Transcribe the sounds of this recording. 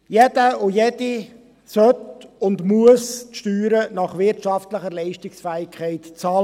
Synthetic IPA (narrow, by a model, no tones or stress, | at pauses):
jɛd̥əʊjɛdi | sœtʊndmuəstʃtyːɾənɑχʋɪɾtt͡ʃɑftləχəɾlɛɪʃtɪksfæːɪkʰχɛɪtt͡sɑːl